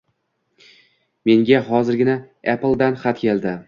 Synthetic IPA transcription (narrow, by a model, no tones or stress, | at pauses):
me̞ŋɡʲaɦɒzɪɾɡʲɪna | eplˠd̪anχat̪kʲe̞ld̪ɪ